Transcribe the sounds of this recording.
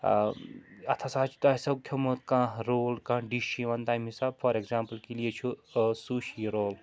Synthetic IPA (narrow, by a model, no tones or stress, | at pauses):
ɐ̰t̪ʰasaːt͡ʃʰu̥t̪aːisɐkʰjɐmot̪̚kãːɾoːlkãːɖiʃiʋɐnt̪ajmɦisaːbfɐɾeɡzaːmpəlkilijet͡ʃʰusuʃiɾoːl